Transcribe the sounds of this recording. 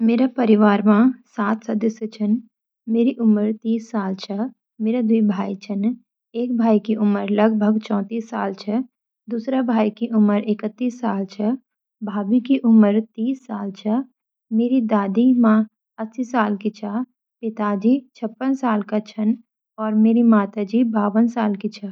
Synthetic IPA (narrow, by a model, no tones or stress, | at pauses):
meːɾapɐɾɪʋaːɾmãsaːt̪ʰsɐd̪əsjət͡ʃʰən | meːɾiʔʊməɾt̪iːsːaːlt͡ʃʰɐ | meːɾad̪uibʱaːit͡ʃʰən | eːk̚bʱaːikiʔʊməɾlɐɡbʱəɡt͡ʃɔ̃ːt̪iːsːaːlt͡ʃʰɐ | d̪uːsɾabʱaːikiʔʊməɾɪkət̪ːiːsːaːlt͡ʃʰə | bʱaːbikiʔʊməɾt̪iːsːaːlt͡ʃʰə | meːɾid̪aːd̪imã | əsisaːlkit͡ʃʰa | pɪt̪aːd͡ʒiːt͡ʃʰəpːənsaːlkat͡ʃʰən | ɔːɾmeːɾimaːt̪ad͡ʒiːbaːʋənsaːlkit͡ʃʰa